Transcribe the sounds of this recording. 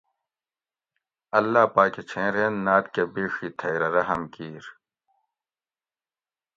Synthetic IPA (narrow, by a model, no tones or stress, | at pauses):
ɐlːaːpaːket͡ɕʰẽːɾeːnːaːt̪kebeːʂiːt̪ʰɐjɾɐɾɐɦɐmkiːɾ